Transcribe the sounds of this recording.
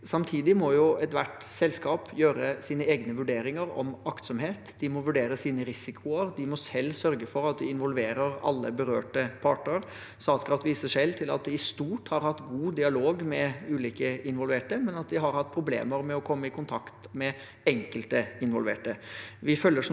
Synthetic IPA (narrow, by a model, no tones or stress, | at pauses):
sɑmt̪ʰiːd̪ɪmɔjʊɛt̪ʋæʈ | sɛlskɑːpʰjøːɾəsiːnəeːɡnəʋʉɖeːɾɪŋəɾɔ̰mɑkt̪sɔmɦeːt̪d̪̥ɪmɔʋʉɖeːɾəsiːnəɾɪsɪkʰʊəɾd̪ɪmɔsɛlːsœɾɡəfɔɾɑt̪̚d̪ɪɪnʋɔlʋeːɾəɾɑ̰lːəbəɾø̰ːʈəpʰɑːʈɳəɾ | sɑːt̪kɾɑft̪ʋiːsəʂɛlːt̪ʰɪlɑ̰t̪̚d̪ɪːst̪uːʈhɑɾhɑt̪ːɡuːd̪ɪɑloːɡmɛʉːliːkəɪnʋɔlʋeːʈəmɛnɑt̪̚d̪ɪɦɑɾhɑt̪̚ːpʰɾʊblḛːməɾmɛɔkʰɔmːəɪkʰʊnt̪ʰɑkt̪mɛ | ɛŋkəlt̪əɪnʋɔlʋḛːʈəʋɪfœlːəʂ